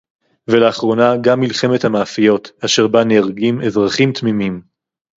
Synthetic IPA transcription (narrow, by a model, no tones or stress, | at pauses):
veleaχʁo̞naɡamːilχe̞me̞t̪hamaːfijo̞t̪aʃe̞ʁbanejaʁɡime̞zʁaχimt̪mimim